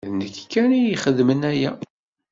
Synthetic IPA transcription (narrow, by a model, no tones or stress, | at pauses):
ðnəkːkːænijiχəðmənæjæ̰